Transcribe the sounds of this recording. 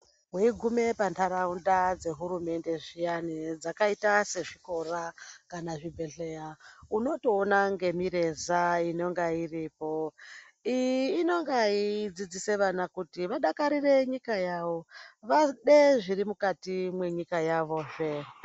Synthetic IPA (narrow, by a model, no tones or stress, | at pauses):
ɦeiɡʱume̞pantʰaɾaundad͡ze̞ɦuɾume̞nde̞ʐijanid͡zakaitase̞ʐiko̞rakanaʐibʱe̞ɬejauno̞to̞ːnaŋɡe̞miɾe̞zaino̞ŋɡairipo | ijiːno̞ŋɡaid͡zid͡zise̞ʋanakutiʋaɗakaɾire̞ɲikajaʋo̞ʋaɗeʐiɾimukatimwe̞ɲikajaʋo̞ːʐe